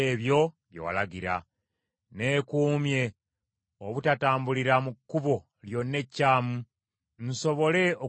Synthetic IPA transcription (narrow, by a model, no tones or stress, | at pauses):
eβjo̞ | βjo̰wa̰laɡiɾa̰ | ne̞ːkuːmje̞ | oβutataːmbuliɾamukːuβo̞ | ljo̞nːe̞cːaːmu | n̩so̞βo̞le̞o